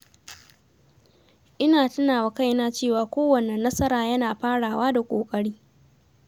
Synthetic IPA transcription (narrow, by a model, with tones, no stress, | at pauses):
ʔɪ˦naː˨tʊ˦naː˨wɐ˨ka˦jnaː˦t͡ʃeː˦˨waː˨kʷoː˦wɐ˨ne˨nːɐ˦sɐ˦ɾaː˨jɐ˦naː˨ɸaː˦ɽaː˨waː˦da˨kʷʼoː˨kʼɐ˦ɽiː˦